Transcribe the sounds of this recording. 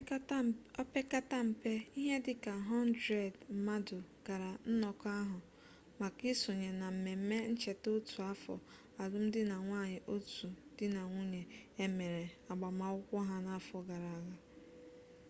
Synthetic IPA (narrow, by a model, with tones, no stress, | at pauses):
pe˦ka˦ta˦m̩˨pe˦i˦ɦe˦dɪ˦ka˨ɦɔ˦n˦dɾe˨dm̩˨ma˦dʊ˨ɡ̥a˨ɾa˨n̩˦nɔ˨ka˦ɦʊ˨ | ma˨ki˦so˨ɲe˨na˨m̩˨me˨m̩˦me˦n̩˦t͡ʃe˨to˦tu˨a˦fɔ̰˨ | a˨lʊ˦m̩˦dɪ˦na˨ŋʷaː˦˨ɲɪ˨ʔo˦tu˨dɪ˦na˨ŋʷu˦ɲe˨e˦me˨ɾe˨a˨ɡ͡ba˨ma˨ʊ˦kʷɔ˦ɦa˦na˨˦fɔ˨ɡa˨ɾa˨a˨ɣa˦